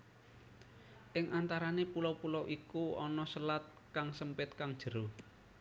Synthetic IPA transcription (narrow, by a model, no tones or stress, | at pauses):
ʔɪŋʔant̪aɾanepulɔwpulɔwʔikuɔnɔsəlat̪̚ | kaŋsəmpɪt̪̚kaŋd̥ʒ̥ə̤ɾo